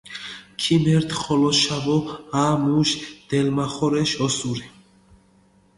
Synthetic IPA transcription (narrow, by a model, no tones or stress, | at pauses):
kʰimɛɾt̪ʰχɔlɔʃavɔamuʃd̪̥ɛlmaχɔɾɛʃɔsuɾɛ